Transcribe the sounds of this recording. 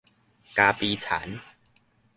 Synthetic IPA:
kaː˧pi˧t͡sʰa̰˨˦n

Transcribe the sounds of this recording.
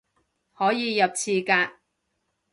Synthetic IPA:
hɔː˨˥jiː˨˧jɐ˨p̚t͡sʰiː˧kaː˧k̚

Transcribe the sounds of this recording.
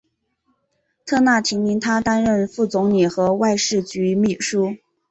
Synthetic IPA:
t̪ʰɤ˥˧na˥˩t̪ʰi˧˥ŋmi˧˥nt̪ʰa˥t̪a˥nɻə˥˧nfu˥˩t͡sʊ˧˥ŋni˨˩xɤ˧˥wa˥˧ɪʂɻ̩˥˩t͡ɕy˧˥mi˥˩ʂu˥

